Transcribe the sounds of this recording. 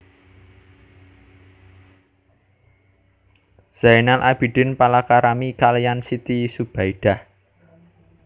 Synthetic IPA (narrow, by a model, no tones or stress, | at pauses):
z̥ajnalʔab̥iɖ̥ɪ̤npalakaɾamikalijansit̪isub̥aiɖ̥ah